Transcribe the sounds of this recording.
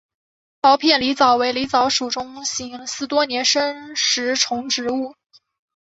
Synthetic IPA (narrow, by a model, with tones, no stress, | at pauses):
pɑ˧˥ʊpʰjɛ˥˩nli˧˥t͡sɑ˨˩˦ʊwe˧˥ɪli˧˥t͡sɑ˧˥ʊʂu˨˩ʈ͡ʂʊ˥ŋɕi˧˥ŋsɹ̩˥˩t̪wɔ˥njɛ˧˥nʂə˥ŋʂɻ̩˧˥ʈ͡ʂʰʊ˧˥ŋʈ͡ʂɻ̩˧˥u˥˩